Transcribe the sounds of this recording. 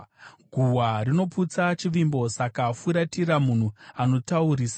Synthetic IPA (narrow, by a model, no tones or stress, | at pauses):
ɡʱuwarino̞put͡sat͡ʃiʋimbo̞sakafuɾatiɾamun̤uano̞tauɾiːsa